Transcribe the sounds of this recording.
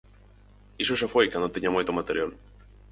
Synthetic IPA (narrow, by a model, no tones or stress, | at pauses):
isoʃafojkand̪ot̪eɲamojt̪omat̪eɾjal